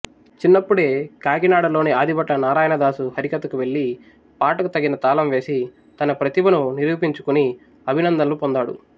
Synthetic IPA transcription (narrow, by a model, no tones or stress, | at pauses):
t͡ʃinːɐpːuɽe̞ːkaːɡinaːɽɐlo̞ːneaːd̪ʱibɐʈlɐnaːɾaːjɐnɐd̪aːsuhɐɾikɐt̪ɐkuʋe̞ɭːi | paːʈɐkut̪ɐɡːinɐt̪aːlɐmʋe̞ːsi | t̪ɐnɐpɾɐt̪ibɐnuniɾuːpiɲt͡ʃukuni | ɐbʱinɐnd̪ɐlupond̪aːɽṵ